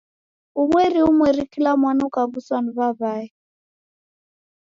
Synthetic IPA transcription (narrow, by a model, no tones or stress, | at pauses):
umwɛɾiumwɛɾikilamwanuukaɡuswaniβaβaɛ